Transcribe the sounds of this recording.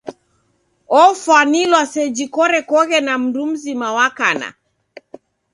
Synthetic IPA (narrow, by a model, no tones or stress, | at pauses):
ɔfwanilwasɛd͡ʒikɔɾɛkɔɣɛnam̩dum̩zimawakana̰